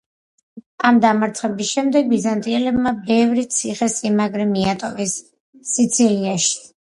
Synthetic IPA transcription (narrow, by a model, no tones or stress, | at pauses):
amd̪amaɾt̪sʰχɛbisʃɛmd̪ɛɡ̚bizant̪ʼiɛlɛbmabɛvɾit̪sʰiχɛsʼimaɡɾɛmiat̪ʼɔvɛsː | it̪sʰiliaʃi̥